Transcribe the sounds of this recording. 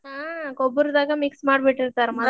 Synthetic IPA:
aːkɔbːɐɾud̪aːɡɐmɪksmaːɽbɛʈːɪɾt̪aːɾmɐ

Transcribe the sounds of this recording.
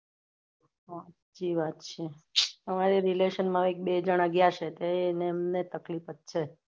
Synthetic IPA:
ʋat̪d͡ʒiʋat̪t͡ʃʰeəmaɾeɾileʃənmãʋek̚bed͡ʒəɽ̃aɡjaʃʰet̪eeneːmnet̪əklifət̪̚t͡ʃʰe

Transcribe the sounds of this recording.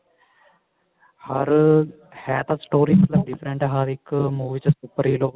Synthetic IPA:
hɐɾ | hɛːt̪ʰɐsʈoːɾiːmɐt̪lɐmɖɪfʰɾẽɳʈɦaːɾikmuːʋit͡ʃsuːpːəɾiːloː

